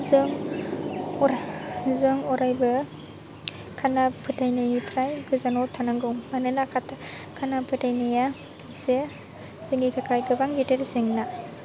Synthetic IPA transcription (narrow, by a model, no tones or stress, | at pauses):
zɯŋ | zɯŋɔɾajbɯ | kʰanapʰɯtʰajnajnipʰɾajɡɯzanɔtʰanaŋɡɯŋmanɯnakʰatʰa | kʰanapʰɯtʰajnaja | se | z̥ɯnitʰakʰajɡɯbaŋɡiteɾzeŋna